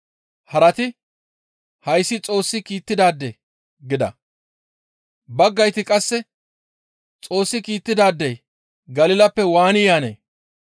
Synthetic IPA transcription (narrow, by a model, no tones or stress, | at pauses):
hɐɾɐt̪ɪ | hɐjsːɪt͡sʼo̞ːsːɪkiːt̪ːɪd̪aːd̪ːḛː | ɡɪd̪ɐ̰ | bɐɡːɐjt̪ɪkʼɐsːɛ | t͡sʼo̞ːsːɪkiːt̪ːɪd̪aːd̪ːɛj | ɡɐlɪlɐpːɛwaːnɪjaːnḛː